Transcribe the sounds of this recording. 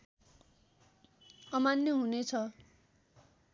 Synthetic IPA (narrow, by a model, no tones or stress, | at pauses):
ʌmanjʌɦunet͡sʰʌ